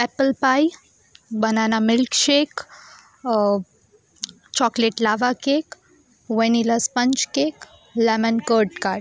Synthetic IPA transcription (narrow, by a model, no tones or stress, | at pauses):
ɛpəlpaj | bənanamɪlkʃek | t͡ɕɔkleʈlaʋakek | ʋeniləspəɲt͡ʃkek | lɛmənkəɾʈkaɾʈ